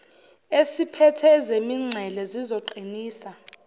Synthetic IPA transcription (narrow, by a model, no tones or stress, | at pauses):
esipʰɛtʰɛzemiŋ͡ǀʱɛlɛzizoǃiniːsa